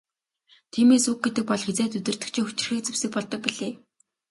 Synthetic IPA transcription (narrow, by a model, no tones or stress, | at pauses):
t̪ʰiːmeːsuk̚ɡet̪ɘ̆k̚pɔɮxet͡seːt̪̬ɵt̪ɘ̆r̥t̪ɘ̥̆kt͡ɕʰĭŋxu̥t͡ɕɪ̆rxiːk̚t͡sĕwsɘ̆k̚pɔɮt̪ɞ̆k̚piɮeː